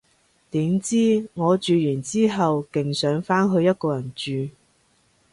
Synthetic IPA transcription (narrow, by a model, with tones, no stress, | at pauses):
t̪iː˨˥mt͡siː˥ŋɔː˨˧t͡ʃyː˨˧jyː˨˩nt͡siː˥ɦɐ˨wkɪ˨ŋsœː˨˥ŋfaː˥nɦɵ˨˧jɐ˥t̚kɔː˧jɐ˨˩nt͡ʃyː˨˧